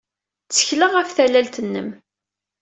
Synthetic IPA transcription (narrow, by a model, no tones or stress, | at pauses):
t͡sːə̥çləʁæfθælælt̪ənːə̰m